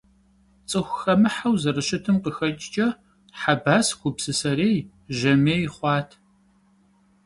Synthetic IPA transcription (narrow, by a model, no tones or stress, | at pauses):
t͡sʼɨxʷxɐmɨħawzɐrɨʃɪtʰɨmqəxɐt͡ʃʼt͡ʃʼɐ | ħabaːskʷʊpsɨsɐɾeːj | ʒɐmeːjχʷɑːtʰ